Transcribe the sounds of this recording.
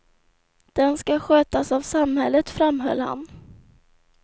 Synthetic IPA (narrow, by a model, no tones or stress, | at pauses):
d̪̥ɛnskaɧøːt̪asavsamhɛlːət̪fɾamːɦœ̰lːha̰n